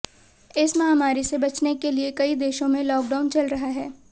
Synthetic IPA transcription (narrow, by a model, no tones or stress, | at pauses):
ɪsmaaːmaːɾisebɐt͡ʃnekeliekɐid̪eːʃõmẽlɔːk̚ɖaːʊnt͡ʃɐlɾɐɦaɦɛː